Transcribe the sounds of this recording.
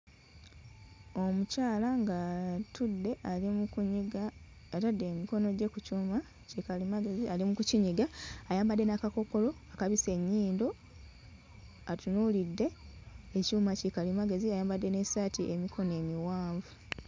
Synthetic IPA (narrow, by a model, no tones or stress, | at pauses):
o̞mucaːlaŋɡatʰudːe̞ʔalimukuɲiɡaː | tadːe̞ːmiko̞no̞ɟe̞kucuːma | cikalimaɡe̞zialimukuciɲiɡaːjaːmbadːe̞nakako̞ko̞lo̞akaβise̞ɲːiːndo̞ | atunulidːe̞ecuːmacikalimaɡe̞ziajaːmbadːe̞ne̞satiʔe̞mikʰo̞ne̞ːmiwaːɱvu